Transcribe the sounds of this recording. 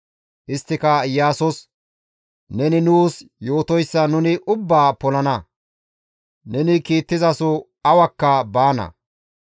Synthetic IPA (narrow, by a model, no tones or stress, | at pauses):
ʔɪst̪ːɪkɐjaːsɔs | nɛnɪnuːsjoːt̪ɔjsːɐnʊnɪʔʊbːaːpɔlɐnɐ | nɛnɪkiːt̪ːɪzɐsɔ | ɐwɐkːɐbaːnɐ̰